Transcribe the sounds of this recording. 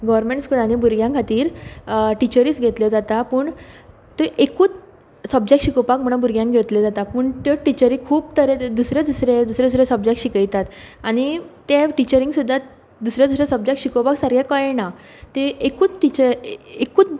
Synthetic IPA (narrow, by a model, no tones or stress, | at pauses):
ɡəʋəɾmẽɳʈskud̪añibuɾɡjãŋkʰat̪iːɾʈit͡ɕəɾiːsɡʱet̪ljəd͡zat̪apuːɳ | t̪eʔekuːt͡s | səb̚d͡ʑek̚ʈɕikopakm̤əɽ̃ə̃buɾɡjãŋɡʱet̪ləd͡zat̪apəːɳt̪əʈit͡ɕəɾikʰuːbt̪ʰəɾed̪usɾed̪usɾed̪usɾed̪usɾesəbd͡ʑek̚ʈɕikəjt̪at̪añit̪eʈit͡ɕəɾĩŋsud̪ʱːa | d̪usɾjed̪usɾesəb̚d͡ʑekʈɕikopaksəɾɡʱjakəena | t̪eekuːt͡sʈit͡ɕəekuːt͡s